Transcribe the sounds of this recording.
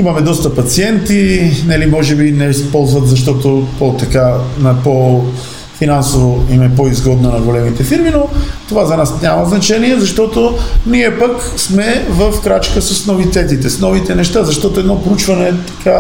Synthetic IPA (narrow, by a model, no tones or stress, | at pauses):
imɐmɛd̪ɔst̪ɐpɐt̪siɛnt̪inɛlimɔʒɛbinɛspɔlˠzvɐt̪zɐʃ̬t̪ɔt̪opot̪ɐkanɐpo | finansovoimɛp̬oizɡɔd̪nonɐɡolɛmit̪ɛfiɾminot̪ovazɐnasnʲɲʲamɐznɐt͡ʃɛniɛzɐʃt̪ɔt̪oniɛpɐk | smɛvɐfkɾat͡ʃkəsəsnovit̪ɛt̪̬it̪ɛsnɔvit̪ɛnɛʃt̪azɐʃt̪ɔt̪oɛd̪nɔpɾout͡ʃvɐnɛt̪ɐ̥kʰa